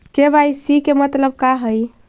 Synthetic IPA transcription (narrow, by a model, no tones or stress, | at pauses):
kebajsikemət̪ləb̚kaɦəj